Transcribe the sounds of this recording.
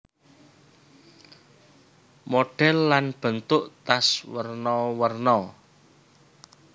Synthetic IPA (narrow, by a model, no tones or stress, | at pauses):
moɖ̥ɛlːanb̥ə̤nt̪ʊʔt̪aswərnɔwərnɔ